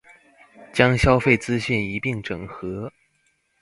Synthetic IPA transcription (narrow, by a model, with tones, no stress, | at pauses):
t͡ɕjɑ˥ŋɕjɑ˥ʊfe˥˩ɪt͡sɹ̩˥ɕy˥˩ni˧˥pi˥˩ŋʈ͡ʂɤ˨˩ŋxɤ˧˥